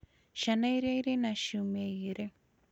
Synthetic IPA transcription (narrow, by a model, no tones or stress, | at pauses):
ʃanajɾejɾenaʃumeiɾe